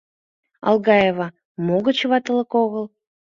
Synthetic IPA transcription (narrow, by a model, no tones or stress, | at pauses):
ɑ̰lˠɣɑjevɑ | moɣə̆t͡ɕβɑt̪əlˠəkoɣəlˠ